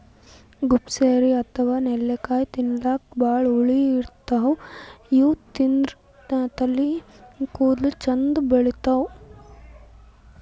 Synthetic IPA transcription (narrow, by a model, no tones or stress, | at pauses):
ɡupseːɾiɐt̪ʰɐʋaːnelːekaːjt̪inlaːk̚baːɭuɭiiɾt̪ɐɦɐjuːt̪inɾ | t̪ɐlːikuːd̪lut͡ʃɐnd̪bɐɭit̪ɐw